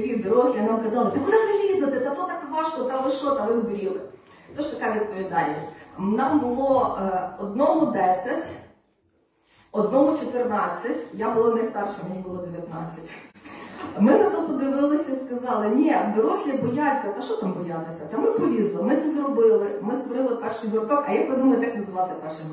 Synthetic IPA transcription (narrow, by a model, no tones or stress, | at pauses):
ʋʲid̪ɔɾɔsʲlʲɐnamkɐzɑlˠɐt̪ɪkʊd̪ɛpnɐlʲizɐt̪ɪt̪ɐt̪ɔt̪ɑkʋɑʃkɔt̪ɐʋɪʃɔt̪ɐʋɪzbɪɾʲilˠɪ | t̪ɔʃt̪ɐkaʋʲid̪̚pɔʋʲid̪ɑlʲnʲɐsʲtʲnɑmbʊlˠɔɔd̪nɔmʊd̪ɛsʲɐtʲ | ɔd̪nɔmʊt͡ʃɔt̪ɪrnɑt͡sʲːɐtʲjabʊlˠanɐjst̪ɑrʃɐmnʲibʊlˠɔd̪eʋʲjɐt̪nɑ̰t͡sʲːɐtʲ | mɪnɐt̪ɔpɔd̪ɪʋɪlˠɪsʲɐiskɐzɑlˠɪnʲɛd̪ɔɾɔsʲlʲibɔjat͡sʲːɐt̪ɐʃt͡ʃɔt̪ɑmbɔjat̪ɪsʲɐt̪ɐmɪpɔʋʲizlˠɔmɪt̪sɛzrɔbɪlˠɪmɪst̪ʋɔɾɪlˠɪpɛrʃɪɦɾkɔkɐjapɔd̪umɐlˠɪt̪ɑknɐzɨʋɑsʲɐpɛrʃɪ